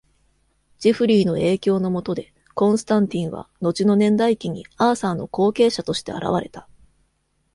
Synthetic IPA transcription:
d͡ʑ̥iɸɯ̟ɾʲiːno̞e̞ːkʲo̞ːno̞mo̞t̪od̪e̞ | kõ̞ɰ̃sɨ̥t̪ãnt̪ʲĩɰ̃βa̰no̞t͡ɕino̞nẽ̞nd̪aikʲiɲ̟ḭaːsaːno̞̰ko̞ːke̞ːɕat̪o̞ɕi̥t̪e̞̰a̰ɾʔa̰β̞aɾe̞̰t̪a

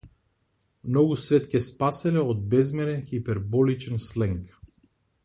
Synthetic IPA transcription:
mnɔɡusvɛt̪cʲɛspasɛlɛɔd̪̚bɛzmɛɾɛnxipɛɾbɔlit͡ʃɛnslɛŋk

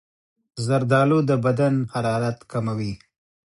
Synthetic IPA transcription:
zaɾd̪ɑːlod̪əbad̪anhaɾɑːɾat̪kamawi

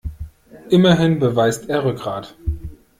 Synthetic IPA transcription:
ʔɪmɐɦɪnbəvaɪstʔeːɐʁʏkʁ̥aːt

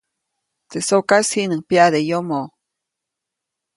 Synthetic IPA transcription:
t̪esokashinɨŋpiad̪ejomo

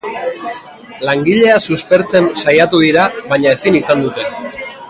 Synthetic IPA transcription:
laŋɡiʎe̞asuspe̞ɾt͡se̞nsajat̪uðiɾaβaɲae̞sinisand̪ut̪e̞

